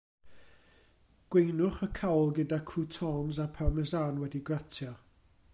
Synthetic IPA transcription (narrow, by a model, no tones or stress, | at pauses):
ɡ̥wejnʊχəkʰawlˠɡədakʰrutʰɔnzapʰamɛzaːnwɛdiɡratʰjɔ